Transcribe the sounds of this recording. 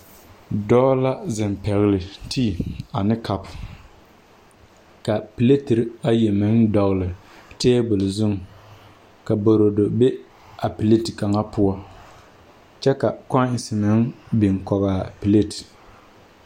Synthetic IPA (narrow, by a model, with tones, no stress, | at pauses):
dɔː˦la˦zɪ˨mpɛ˨ɣɪ˨lɪ˨tʰiː˦a˨nɨ˦kʰa˦p | ka˨pi˨le˦tɪ˨ɾa˦je˨mɨ˦ndɔ˨ɣɨ˨lɨ˨ | teː˦bʊ˨lɨ˨zʊ˦ŋ | ka˨bo˨ɾo˨do˨be˦ | a˨pi˨le˦tka˨ŋa˦pʊ˦ɔ˦ | t͡ʃɛ˦ka˨kɔ˦ɪ˨sɪ˨nɨ˦ŋbɪ˨ŋkɔ˨ɣaː˨pi˨le˦˨t